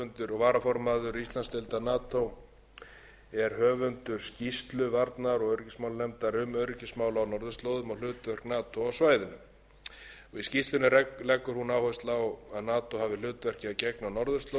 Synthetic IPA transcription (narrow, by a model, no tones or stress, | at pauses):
ʏnt̪ʏɾɔɣvaːɾafɔɾmaðʏɾist̪lanst̪ɪlt̪anaːt̪ow | ɛɾ̥hœːvʏnt̪ʏɾ̥scist̪lʏvaɾt̪naɾɔɣœɥɾʏcɪsmawlnɛmt̪aɾʏmœɥɾʏcɪsmaːwlawnɔɾðʏst̪lowðʏmawlʏːt̪vɛr̥knaːt̪ʰowawsvaːjðʏnʏm | ɔɣiscist̪lʏnʏɾɛlɛkːʏɾ̥hunaːwhɔst̪lawaðnaːt̪owhavɪlʏːt̪vɛr̥cɪacɛknawnɔɾðʏst̪lo